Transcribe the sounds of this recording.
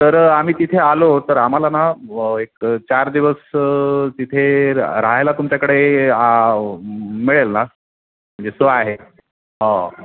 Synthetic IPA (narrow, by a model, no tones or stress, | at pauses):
t̪əɾam̤iːt̪it̪ʰealot̪əɾam̤alanaek̚t͡ɕaɾd̪iʋəst̪it̪ʰeɾaɦajlat̪umt͡ɕjakəɽea | miɭelna | m̤əɳnd͡zesəaɦe | ɦã